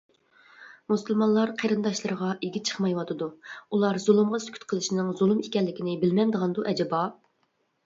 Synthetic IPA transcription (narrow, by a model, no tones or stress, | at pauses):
musɨlˠmɑnlˠɑɾqʰeɾɨnd̪ɑʃlˠɨɾəʁɑʔeɡʲit͡ʃʰə̥χmɑjwɑt̪ʰɨd̪uulˠɑɾzulˠɨmʁɑsykʲʰy̥t̪̚qʰəlˠɨʃinɨŋzulˠumikʲɛlːɪkʲɪnɪbɪlmɛnd̪əʁɑnd̪uʔɛd͡ʒɛbɑ